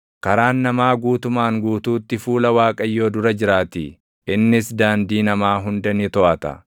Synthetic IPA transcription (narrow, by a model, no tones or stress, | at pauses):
kɐɾaːnːɐmaːɡuːt̪ʊmaːŋɡuːt̪uːt̪ːɪfuːlɐwaːkʼɐjːo̞ːd̪ʊɾɐd͡ʒɪɾaːt̪ḭ | ʔɪnːɪsd̪aːnd̪iːnɐmaːɦʊnd̪ɐnɪt̪ɔʔɐt̪ɐ̰